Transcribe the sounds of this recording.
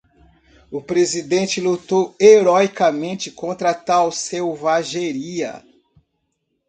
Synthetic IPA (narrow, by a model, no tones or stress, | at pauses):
ʊpɾezid̪ẽnt͡ʃɪlut̪oweɾɔjkɐmẽnt͡ʃɪkõnt̪ɾɐt̪awsewvaʒeɾiɐ̰